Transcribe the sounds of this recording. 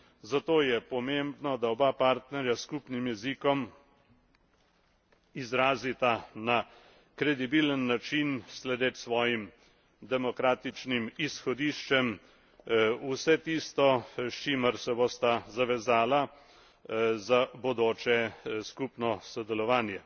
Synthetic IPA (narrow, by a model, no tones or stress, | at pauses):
zat̪oːjɛpɔmembnɔd̪aɔbapaɾt̪nɛɾjaskuːpnimjɛzikɔm | izɾaːzit̪ana | kɾɛd̪ibiːlənːat͡ʃinslɛd̪eːt̪sʋɔːjim | d̪ɛmɔkɾaːt̪it͡ʃnimisxɔd̪iʃt͡ʃɛm | usɛt̪iːst̪ɔʃt͡ʃiməɾsɛbost̪azaʋɛzaːla | zabɔd̪oːt͡ʃɛskupnɔsɔd̪ɛlɔʋaːnjɛ